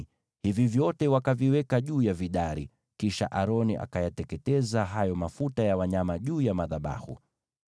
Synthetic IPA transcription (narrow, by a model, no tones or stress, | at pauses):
hivivjɔtɛwakaviwɛkaʄuːjaviɗaɾḭ | kiʃaʔaɾɔnḭʔa̰kajatɛkɛtɛzaɦajɔmafutajawaɲamaʄuːjamaðaɓa̰hṵ